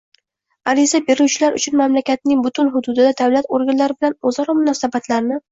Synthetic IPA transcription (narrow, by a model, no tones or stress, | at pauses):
aɾɪzabe̞ɾuwt͡ʃʰɪlaɾʊ̰t͡ʃʰʊnmamlakʲat̪ɪnɪŋbʊt̪ʰʊnɦʊd̪ʊd̪ɪd̪ad̪avlat̪oɾɡʲanlaɾɪbɪlanozɒɾɒmʊnɒsabat̪ʰlaɾnɪ